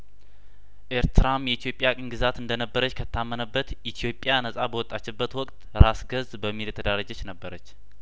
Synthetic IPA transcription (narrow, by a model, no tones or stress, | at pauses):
ʔeɾt̪ʰɨɾamjɛit̪ʰjo̞pʼːjakʼɨŋɡɨzat̪ɨnd̪ənəbːəɾət͡ʃːkʰət̪ʰːamːənəbːət̪it̪ʰjo̞pʼːjanəsʼabəwɔt̪ʼːat͡ʃːɛbːət̪wɔkʼt̪ɾasɡəzbəmːiljɛt̪ʰəd̪aɾad͡ʒɛt͡ʃːnəbːəɾət͡ʃː